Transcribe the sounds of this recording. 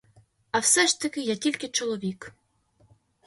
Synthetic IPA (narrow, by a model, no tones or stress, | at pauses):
awsɛʐt̪ɐkʲɪjatʲilʲkʲɪt͡ʃɔlˠɔvʲik